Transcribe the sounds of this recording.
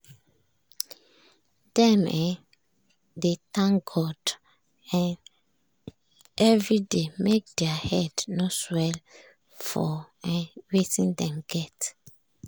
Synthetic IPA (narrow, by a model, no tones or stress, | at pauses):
dɛ̃mɛ̃ | detãŋɡɔd | ɛ̃n | ʔɛvɹidemek̚dɛahɛdnoswɛl | fɔ | ɛ̃wetĩndɛ̃mɡɛt